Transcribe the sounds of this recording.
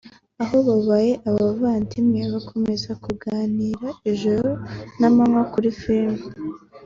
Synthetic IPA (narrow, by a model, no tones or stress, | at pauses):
aɦo̞βaβaje̞ʔaβaβaːntʰimŋeβakʰo̞me̞zakuɡaːniːɾaeʒoɾonamamwakuɾifimɡu